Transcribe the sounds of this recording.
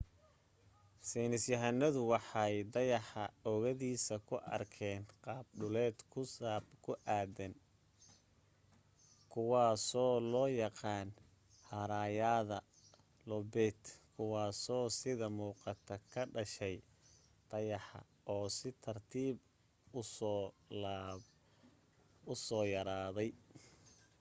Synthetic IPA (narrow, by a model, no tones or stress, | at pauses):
sɛnɪsjɐɦɐnɐðʊwɑħɑjd̪ɐjɑħɑɔɣɐðiːsɐkʰʊʔɐ̰rkʰɛːnqɑːb̚ɖʊlɛːd̪kʰʊsabkʰʊʔaːd̪ɐn | kʰʊwɑːsɔːlɔːjɑqɑːn | hɐɾaːjaːðɐ | lɔbɛːt̪kʰʊwɑːsɔːsɪðɐmuːqɑt̪ʰɐkʰɐɖɐʃɛj | t̪ʰɐjɑħɑ̰ | ɔːsɪt̪ʰɐrt̪ʰiːb | ʊ | ʊsɔːjɐɾaːðɛj